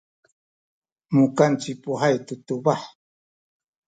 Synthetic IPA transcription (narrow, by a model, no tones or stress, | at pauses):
mʊkant͡ʃɪpʊɦajt̪ʊt̪ʊbah